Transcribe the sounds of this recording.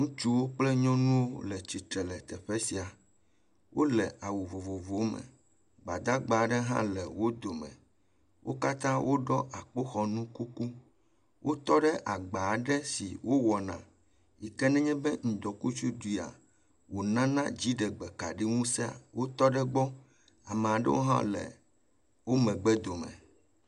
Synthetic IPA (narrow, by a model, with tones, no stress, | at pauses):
ŋũ˦t͡ʃu˦wo˦k͡plɛ˦ɲɔ̃˦nũ˦wo˦lɛ˨t͡ɕi˨t̪ɾɛ˨lɛ˨t̪ɛ˨ɸe˦si˨a˨ | wʔo˦lɛ˨a˨wo˨vo˨vo˨vo˨mɛ̰˨ | ɡ͡ba˨d̪a˦ɡ͡ba˨˦ɖɛ˦ɦã̰˦lɛ˨wo˦d̪o˨mɛ̰̃˨ | wʔo˦ka˦t̪ã˦wʔo˦ɖɔ˦ʔa˨k͡po˦xɔ˨nũ˦ku˦ku˦ | wʔo˦t̪ɔ˦ɖɛ˦ʔa˨ɡ͡ba˨ɖɛ˦sḭ˨wʔo˦wɔ˨nã̰˨ | ji˨kɛ˦nɛ̃˦ɲɛ̃˦bɛ˦ŋ̩̃˨d̪ɔ˨ku˦t͡ʃu˦d̪ui˨a̰˨ | wo˨nã˦nã˦d͡ʑi˦ɖɛ˨ɡ͡bɛ˨ka̰˨ɖi˦ŋũ˦sɛ˦a̰˨wo˦t̪ɔ˦ɖɛ˦ɡ͡bɔ˦ | a˨mɛ̃˨a˨ɖɛ̰˦wo̰˦ɦã̰˦lɛ̰˨ | wo˦mɛ̃˨ɡ͡bɛ˦d̪o˨mɛ̰̃˨